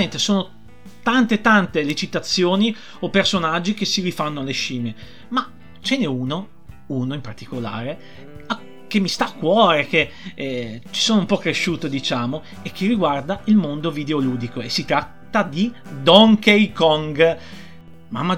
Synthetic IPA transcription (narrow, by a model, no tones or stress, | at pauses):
ent̪esoːno | t̪ant̪et̪ant̪elet͡ʃit̪at̪sːjoːni | opersonad͡ʒːik̟esːiɾifanːoaleʃiːme | ma | t͡ʃɛneuːno | uːnoimpart̪ikola̰ːɾe | a | kemːist̪aːkːwɔːɾeke | t͡ʃi̥soːnoumpɔkːɾeʃːuːt̪od̪it͡ʃaːmo | ek̟ːerːiɡward̪ailmond̪ovid̪eoluːd̪ikoesːit̪ɾat̪ːad̪i | d̪ɔŋkejkɔŋɡ | ma̰mːa